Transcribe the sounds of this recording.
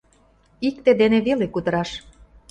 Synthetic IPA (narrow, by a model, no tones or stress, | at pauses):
ikt̪ed̪eneβelekud̪əɾɑʃ